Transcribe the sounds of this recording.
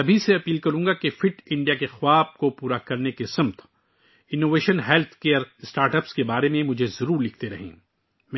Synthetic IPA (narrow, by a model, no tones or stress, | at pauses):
ɐbʱiseɐpiːlkɐɾũːŋɡakefɪʈɪ̃ɳɖijakexwaːb̚kopuːɾakɐɾnekesɐmt̪ʰ | ɪnːoːʋeːʃənɦɛːlt̪ʰkeːəɾɪsʈaːɾʈəpskebaːɾemẽmʊd͡ʒʱezɐɾuːɾlɪk̚ʰt̪eɾɐ̰ɦḭ̃ː | mɛ̃